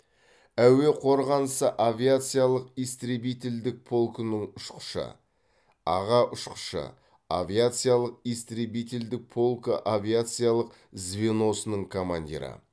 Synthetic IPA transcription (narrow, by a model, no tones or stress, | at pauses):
æwe̞qʰo̞ɾʁɑnəsəʔavʲijat̪sɨjalˠəqijst̪ɾʲebijt̪ʲeld̪ɪk̚pʰo̞lˠkənəɴʊʃqə̥ʃə̰ | ɑ̰ʁɑʔʊʃqə̥ʃə̰ | avʲijat̪sɨjalˠəq̚ijst̪ɾebijt̪ʲeld̪ɪk̚pʰo̞lˠkəʔavʲijat̪sɨjalˠəq | zveno̞sənəɴkʰomanʲd̪ʲḭɾə̰